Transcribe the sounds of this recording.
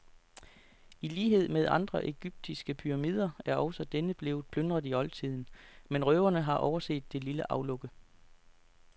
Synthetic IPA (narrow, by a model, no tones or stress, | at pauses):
iliːɦe̝ð̞̰ˠmeð̞ˠɑ̈nd̥ʁɐʔe̝ɡ̥yb̥̚d̥isɡ̥əpʰyʁɑ̈mḭːðˠɐæɐɒʊsɒ̽d̥enəb̥le̝ːð̩ˠpʰlønd̥ʁɐðˠiɒ̽lt͡sʰið̞̰ˠn̩menʁœːʊɐnəɦɑ̈ʔɒʊɐse̝̰ːd̥ːe̝liləʔɑ̈ʊlɔ̽ɡ̥ə